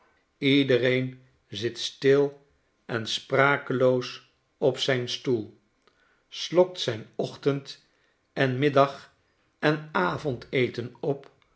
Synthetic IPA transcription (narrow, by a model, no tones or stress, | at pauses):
idərejn | zɪtstɪlˠ | ʔɛnspraːkəlows | ɔpsɛjnstulˠ | slɔk̚tsɛjnɔχtənt | ɛnmɪdɑχ | ɛnaːvɔntejtənɔp